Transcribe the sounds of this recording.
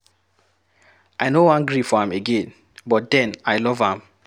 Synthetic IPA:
ʔajnowãnɡɹifɔãmeɡẽn | bɔt̚d̪ɛ̃najlɔvãm

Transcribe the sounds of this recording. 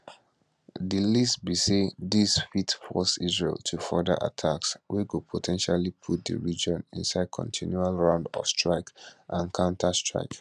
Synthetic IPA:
dilistbisedisfitfɔsizɹḛltʰufɔdəʔa̰tʰakswikudpʰotʰɛ̃nʃalipʰut̚d̪ə̰ɹid͡ʒɔ̃nĩnsaɪd̚kʰɔ̰̃ntʰĩnjualɹãʊ̃ndɔ̰fstɹaɪkʔãnkʰãʊ̃ntʰastɹ̥a̰ɪk

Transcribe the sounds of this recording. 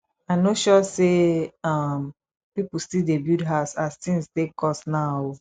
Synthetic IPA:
aɪnoʃɔseʌm | pipl̩stidebjudɦaʊsaztĩŋstekʰɔsnaʊ

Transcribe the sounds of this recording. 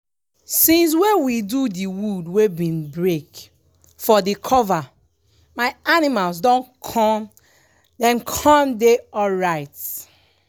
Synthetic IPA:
sĩns̬wewidudiwudwebĩnbɹek | fɔdikʰɔva | maɪanimalsdõnkʰɔ̃m | dɛ̃nkʰɔ̃mdeɔlɹaɪt

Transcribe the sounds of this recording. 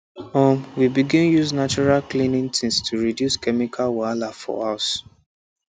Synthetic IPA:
ɔmwibiɡĩnjuznat͡ʃɔɹalklĩnĩŋtʰĩnstʰuɹidjuskɛmikʰalwalafɔ̰as

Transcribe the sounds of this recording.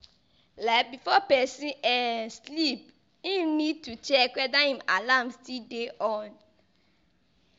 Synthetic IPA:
labifɔpɛsĩʔɛslip̚ | ĩmnĩd̚tut͡ʃɛkʷɛdãhĩmalamstideʔɔn

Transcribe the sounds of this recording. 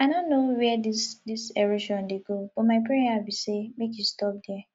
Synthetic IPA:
anõnːowɛdisdisɛɾiʃɔ̃ndeɡob̥ɔmaɪpɹejaabisemek̬justɔp̚dɛ

